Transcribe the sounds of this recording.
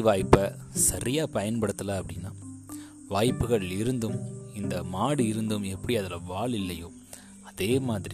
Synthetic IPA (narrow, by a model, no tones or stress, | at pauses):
ʋaːjpːɐsɐɾɪjaːpɐjɐnpɐɽɯt̪ːɐlaːɐpːɐɽɪnːaː | ʋaːjpːɯɣɐɭɪɾɯnd̪ɯmɪnd̪ɐmaːɽɯɪɾɯnd̪ɯmɛpːɐɽiɐðɐlɐʋaːɭɪlːɐjoː | ɐðeːmaːðɪɾi